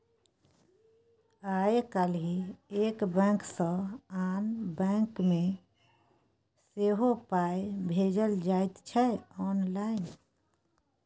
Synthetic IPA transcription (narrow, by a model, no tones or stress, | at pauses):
aekalɦiekbɛ̃ksə̃anbɛ̃ŋkme | seɦopaebʱed͡ʒəld͡ʒaet̪t͡ʃʰɛɔːnlaɪn